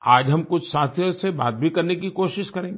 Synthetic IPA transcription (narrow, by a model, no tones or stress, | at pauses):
aːd͡ʒɦɐmkʊt͡ʃʰsaːt̪ʰjõsebaːt̪̚bʱikɐɾnekikoːʃɪʃkɐɾẽːŋɡeː